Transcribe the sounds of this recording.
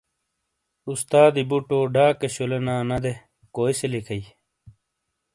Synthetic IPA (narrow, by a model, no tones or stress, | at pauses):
ust̪aːd̪ibuʈoːɖaːkeɕulenaːnɐd̪e | koːiselikʰɐi